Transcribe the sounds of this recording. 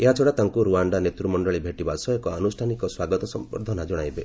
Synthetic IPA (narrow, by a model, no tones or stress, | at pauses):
eɦat͡ʃʰɔɽat̪aŋkuɾuaɳɖanet̪ɾumɔɳɖɔɭibʱeʈibasɔekɔanusʈʰanikɔswaɡɔt̪ɔsɔmpɔ̰ɾd̪ʱɔnad͡ʒɔɽ̃ajbe